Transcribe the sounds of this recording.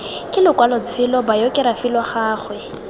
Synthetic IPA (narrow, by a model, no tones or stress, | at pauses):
kʼɪlʊkwalɔt͡sʰɪlɔbajɔkʼɪɾafilwɔχaːχwɛ